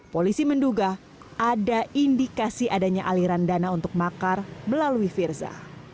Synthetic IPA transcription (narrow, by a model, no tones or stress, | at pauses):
polisimənduɡa | adaindikasiʔadaɲaʔaliɾandanaunt̪ʊk̚makarməlaluifirza̰